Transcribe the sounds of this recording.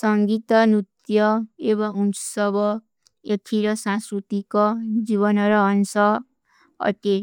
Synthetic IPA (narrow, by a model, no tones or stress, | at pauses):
sʌŋɡit̪ʌnut̪jʌebʌunt͡su̥sʌbʌ | etʰiɾʌsãskɾut̪ikod͡ziβʌnʌɾʌːnsʌ | ʌ̰t̪e